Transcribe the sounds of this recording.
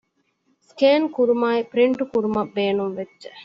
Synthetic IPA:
sʈeːnkuɾumaːipɾiɳʈukuɾumɐʋbeːnumʋedːd͡ʒe

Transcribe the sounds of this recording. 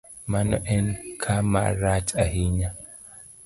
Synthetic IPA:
manɔʔɛnkʰama̰ɾat͡ʃʼahiɲa

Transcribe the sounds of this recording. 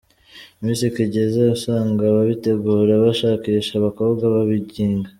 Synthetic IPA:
iminsikiɟezausaːŋɡaβaβite̞ɡuːɾeβaʃaːkiːʃaβako̞ːβɡaβaβiɟiːŋɡa

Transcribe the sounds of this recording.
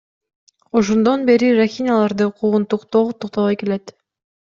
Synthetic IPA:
oʃ̬ond̪onbe̞ɾiɾaxʲinʲalˠɑɾd̪ɯqʰuʁunt̪uqt̪ot̪uq̚t̪ɑβɑjke̞le̞t̪

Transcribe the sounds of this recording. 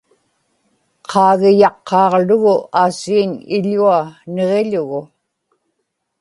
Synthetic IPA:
qʰɑːɣɪjɑqːɑːʁlʊɣʊaːsiːnɪ̰ʎuaneʁeʎʊɣʊ

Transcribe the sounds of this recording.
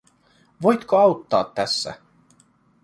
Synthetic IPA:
ʋojt̪koɑwt̪ːɑ̰ːt̪ːæsːæ̰

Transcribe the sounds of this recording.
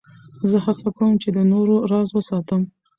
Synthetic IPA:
zəhasakawəmt͡ʃed̪ənoɾoɾɑzwəsɑt̪əm

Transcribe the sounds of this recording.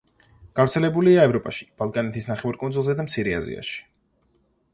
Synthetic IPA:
ɡ̥avɾt̪sʰɛlɛbuliaɛvɾɔpʼaʃi̥b̥alˠkʼanɛt̪ʰisnaχɛvaɾkʼunzulˠzɛd̪amt̪sʰiɾɛa̰zḭa̰ʃi̥

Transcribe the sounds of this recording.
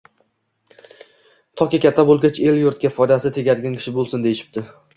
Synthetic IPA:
t̪ʰɒkʲɪkʲat̪ʰːabolˠɡʲat͡ʃe̞ljʊɾt̪kʲafɒjd̪asɪt̪ʰe̞ɡʲaɾɡʲankʲʰɪ̥ʃɪbolˠsɪnd̪e̞jɪʃɪ̥b̚t̪ɪ

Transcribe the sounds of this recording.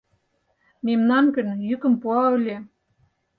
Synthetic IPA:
memnɑnkə̆njykə̆mpuɑø̆lʲe

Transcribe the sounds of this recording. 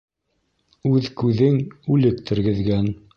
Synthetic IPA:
ʉðkʉðɘŋʉlɘk̚t̪ʰɘ̆ɾɡɘ̆ðɡæn

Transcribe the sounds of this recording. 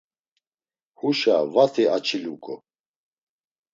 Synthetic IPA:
huʃavat̪ʰiat͡ʃʰilukʼɔ

